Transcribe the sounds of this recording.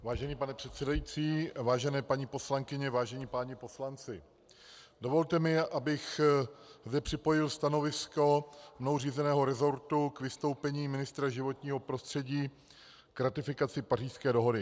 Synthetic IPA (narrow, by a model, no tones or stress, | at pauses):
vaːʒɛniːpanɛpr̝̥ɛt̪sɛdajit͡siːvaːʒɛnɛːpaɲiːpo̞slaŋkɪɲɛvaːʒɛɲiːpaːɲɪpo̞slant͡sɪ | do̞vo̞lt̪ɛmɪʔabɪx | zdɛpr̝̥ɪpo̞jɪlst̪ano̞vɪsko̞mnowriːzɛnɛːɦo̞ɾɛzo̞ɾt̪ukvɪst̪o̞wpɛɲiːmɪnɪst̪ɾaʒɪvo̞t̪ɲiːɦo̞pɾo̞st̪r̥ɛɟiː | kɾat̪ɪfɪkat͡sɪpariːʃskɛːdo̞ɦo̞dɪ